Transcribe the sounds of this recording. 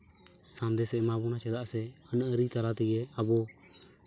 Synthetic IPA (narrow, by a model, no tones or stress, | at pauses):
sand̪ɛsɛmabunat͡ʃɛd̪aʔsɛənəʔəɾit̪aɾat̪ɛjɛabɔ